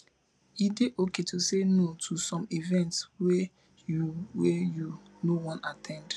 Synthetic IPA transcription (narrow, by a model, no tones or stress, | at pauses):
ideʔoketʰusenotʰusɔ̃mivɛ̃ntswɛ | wɛju | nowɔ̃natʰɛ̃nd